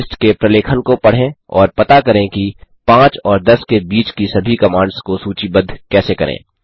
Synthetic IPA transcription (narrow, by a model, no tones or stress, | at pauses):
sʈkepɾɐleːkʰənkopɐɽ̤ẽɔːɾpɐt̪akɐɾẽkipãːt͡ʃɔːɾd̪ɐskebiːt͡ʃkisɐbʱikɐmãːɳɖskosuːt͡ʃibɐd̪ʱkɛːsekɐɾḛ̃ː